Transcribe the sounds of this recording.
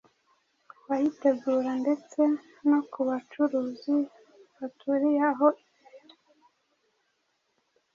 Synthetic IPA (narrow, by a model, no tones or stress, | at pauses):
wajite̞ɡuːɾande̞t͡se̞ | nokuβat͡ʃuɾuːzi | βatʰuɾijaɦo